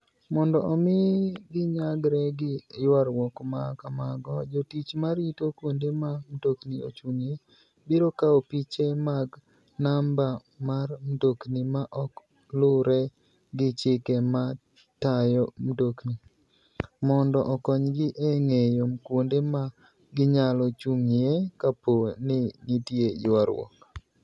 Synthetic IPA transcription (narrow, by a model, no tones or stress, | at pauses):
mɔndɔʔɔmɪɡɪɲaɡɾɛɡɪjwaɾwɔkmakamaɡɔd͡ʒotit͡ʃmaɾitokwondemamdoknio̰t͡ʃuŋe | bɪɾokaopit͡ʃemaɡ | namba | marmdoknimaʔɔk | lʊɾɛ | ɡɪt͡ʃɪkɛma | tajɔmdokni | mɔndɔʔɔkɔɲɡɪʔeŋejomkwondema | ɡɪɲalɔt͡ʃuŋekaponɪnitjejwaɾwɔ̰k